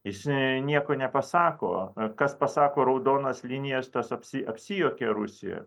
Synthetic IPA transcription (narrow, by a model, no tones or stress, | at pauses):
jɪsnʲiɛkoːnʲɛpɐsɑːko̰ːkɐspɐsɑːkoːɾɐʊd̪oːnɐslʲinʲɪjɛst̪ɐsɐpʲsʲɪʔɐpʲsʲɪjoːkʲɛɾʊsʲɪjɛ̰